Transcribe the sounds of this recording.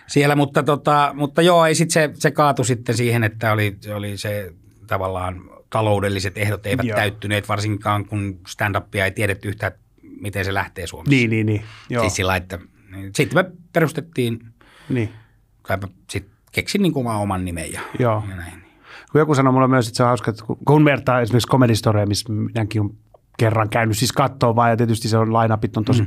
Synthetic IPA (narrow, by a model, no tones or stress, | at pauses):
sielæmut̪ːɑt̪ot̪ɑmut̪ːɑjoːeisit̪sesekɑːt̪usit̪ːensiːhenet̪ːæoliseolise | t̪ɑʋɑlːɑːnt̪ɑloudelːiset̪ehɾot̪eˑiææyt̪ːyneːt̪ʋɑrsiŋkɑːŋkunst̪ænd̪ɑpːiɑeit̪ieɾet̪ːyyht̪æːt̪ | mit̪enselæht̪eːsuomesniːniːniːjosit̪silːɑiet̪ːæ | niːsit̪ːmeperust̪et̪ːiːn | niː | k̪ɑiæ | sit̪ | keksinniːŋkuomɑomɑnnimḛjjɑjoːjɑnæinni̥ | kujokusɑnomulːemyøset̪seohɑuskɑet̪ːkṵkunmert̪ɑːesimerkskomelhist̪oriɑmisminæŋkiom | kerːɑŋkæynyssiskɑt̪ːoːʋʋɑːjjɑt̪iet̪yst̪iseonlɑinɑpit̪ːont̪osi